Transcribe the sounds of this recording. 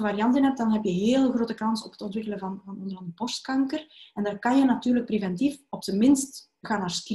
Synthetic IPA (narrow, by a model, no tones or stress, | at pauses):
əʋaːɾijɑntənɦɛp̚d̥ɑnɦɛpjəɦeːlˠɣroːtəkɑnsɔpə̥tɔntʋɪkələvɑnvɑnɔnd̪ərɑndəpɔst̚kɑŋkərɛndaːrkɑnjənatyːrlək̚prevɛntifɔpsəmɪnst | ɣaːnːaːrskr